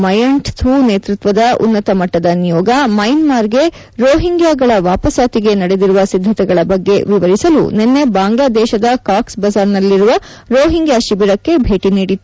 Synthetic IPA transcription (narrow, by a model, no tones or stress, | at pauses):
mɐjɐɳʈt̪ʰuːneːt̪ɾut̪ʋɐd̪ɐʔṵnːɐt̪ɐmɐʈːɐd̪ɐnijɔːɡɐmɐjnmaːɾɡe̞ | ɾoːɦiŋɡjaːɡɐɭɐʋaːpɐsaːt̪iɡe̞nɐɽe̞d̪iɾuʋɐsid̪ʱːɐt̪ɛɡɐɭɐbɐɡːe̞ʋiʋɐɾisɐlṵne̞nːe̞baːŋɡlaːd̪ɛːʃɐd̪ɐkaːksbɐzaːɾnɐlːiɾuʋɐ | ɾoːɦiŋɡjaːʃibiɾɐkːe̞bʱe̞ːʈiniːɽit̪ːu